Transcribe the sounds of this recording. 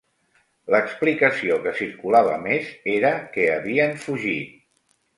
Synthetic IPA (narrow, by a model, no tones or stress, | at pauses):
ləksplikəsiokəsiɾkulaβ̞əmezeɾəkɛəβiənfuʒit̪̚